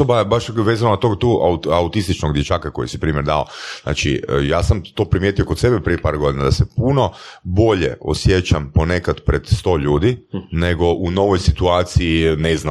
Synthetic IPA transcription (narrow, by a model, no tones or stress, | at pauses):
obabaʃʋeːzanonat̪oɡt̪uːʔauaut̪ist̪it͡ʃnoɡd̪jet͡ʃaːkako̞jisipɾiːmjeɾd̪a̰o̰zna̰ːt͡ʃḭjaːsamt̪o̞ːpɾimjet̪ijoko̞t̪se̞bepɾijepaːɾɡo̞d̪inad̪asepuno̞bo̞ʎḛʔo̰sjet͡ʃampo̞nekad̪pɾe̞d̪st̪o̞ːʎuːd̪ineɡo̞ʔuno̞ʋo̞jsit̪uaːt̪siinezna